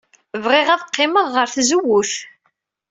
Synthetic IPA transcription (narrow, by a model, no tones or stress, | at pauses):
vʁɪʁæðqːɪməʁːəɾθzəwːʊθ